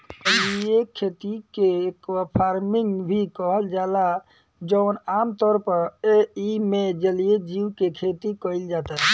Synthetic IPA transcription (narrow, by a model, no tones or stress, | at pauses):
əliekʰet̪ikeːkapʰaɾmiŋɡbʱikəɦəld͡ʒala | d͡ʒəʊnamt̪ɔɾpəɾeimed͡ʒəlijed͡ʒiwkekʰet̪ikəild͡ʒat̪aɦɛ